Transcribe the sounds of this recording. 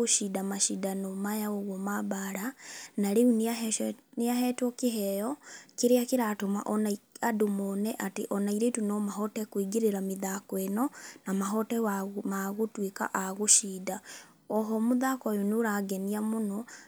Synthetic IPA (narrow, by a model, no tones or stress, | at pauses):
oʃidamaʃidanɔmajaoɣwɔmabaɾanaɾeuneaneaɦɛtwɔkeɦɛjɔkeɾeakeɾatoma̰ʔɔnaiadomɔnɛʔatḛʔɔnaiɾetunɔmaɦɔtɛkwiɡeɾeɾameðakɔɛnɔnamaɦɔtɛwamaɣotweka̰ʔaɣoʃida | ɔɦɔmoðakɔjonoɾaɡɛniamonɔ